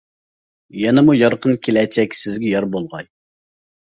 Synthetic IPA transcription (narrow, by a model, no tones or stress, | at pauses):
jɛnɛmujɑɾqənkʲʰelɛt͡ʃʰɛkʲsɪzɡʲɛjɑɾbolˠʁɑj